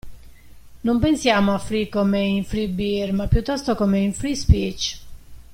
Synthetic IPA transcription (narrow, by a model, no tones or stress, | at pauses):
nompensjaːmoafɾikomeiɱfɾibiɾmapːjut̪ːɔst̪okomeiɱfɾispit͡ʃ